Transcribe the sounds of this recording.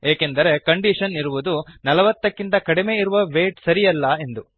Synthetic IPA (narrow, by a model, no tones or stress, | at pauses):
eːkend̪ɐɾe̞kɐɳɖiʂɐniɾuʋud̪unɐlɐʋɐt̪ːɐkːint̪ɐkɐɽimeːiɾuʋɐʋeːʈsɐɾijɐlːɐe̞nd̪u